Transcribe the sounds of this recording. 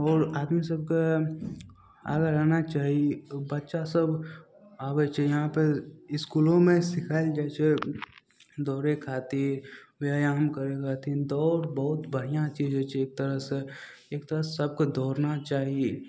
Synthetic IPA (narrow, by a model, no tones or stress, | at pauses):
ɔːɾaːd̪misɐb̚ko | a̰ːɡaɾaːnat͡ʃaːɦiebɐtːʃasɐb | aːʋɛt͡ʃʰɛjɐɦãpeɪskuːlõmẽsɪkʰaːɪld͡ʒaːt͡ʃʰe | d̪ɔːɾekʰaːt̪ĩʋaːjaːmkəɾekʰaːt̪ĩd̪ɔːɾbəɦʊt̪bəɽijãt͡ʃiːd͡ʒẽt͡ʃʰieːk̚t̪əɾəse | eːkt̪əɾəsɐb̚kod̪ʱɔːɾnat͡ʃaːɦie